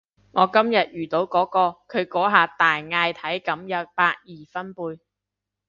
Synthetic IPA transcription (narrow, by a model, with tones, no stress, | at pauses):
ŋɔː˨˧kɐ˥mjɐ˨t̚jyː˨t̪o˨˥wkɔː˨˥kɔː˧kʰɵ˨˧ɥkɔː˨˥ɦaː˨˩t̪aː˨jŋaː˧jt̪ʰɐ˨˥jkɐ˨˥mjɐ˨˥t̚paː˧t̚jiː˨fɐ˥npuː˧j